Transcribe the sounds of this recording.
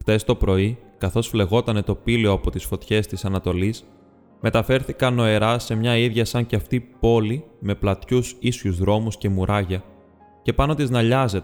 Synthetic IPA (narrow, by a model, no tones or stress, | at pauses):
xt̪e̞st̪o̞pɾo̞ikɐθo̞sfle̞ɣo̞t̪ɐne̞t̪o̞pileoɐpo̞t̪isfo̞t̪çe̞st̪isɐnɐt̪o̞lis | me̞t̪ɐfe̞ɾθikɐno̞e̞ɾɐse̞mɲɐiðʝɐsɐɲceɐft̪ipo̞lime̞plɐt̪çusisçuzðɾo̞musce̞muɾʔɐʝɐ | ce̞pɐno̞t̪iznɐʎɐze̞t̪e